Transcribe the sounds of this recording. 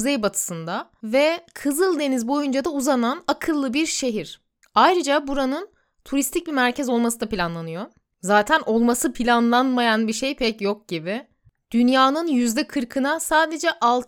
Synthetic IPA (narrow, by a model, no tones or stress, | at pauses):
uzejbat̪ʰɯ̥sɯnd̪a | vɛkʰɯzɯlˠd̪e̞nizbo̞jund͡ʒad̪auzananakʰɯlˠːɯbiɾʃe̞ɦiɾ̥ | ajɾɯd͡ʒabuɾanɯn | t̪ʰuɾist̪ʰic̚bimæɾcʰɛzo̞lˠmasɯd̪apilʲanlˠanɯjo̞ | zaːt̪ʰæno̞lˠmasɯpʰilʲanlˠanmajanbiʃe̞jpʰɛcjok̚ɟibɪ | d̪̥ynjaːnɯnjyzd̪ɛkʰɯɾkʰɯnasaːd̪e̞d͡ʒɛʔalˠ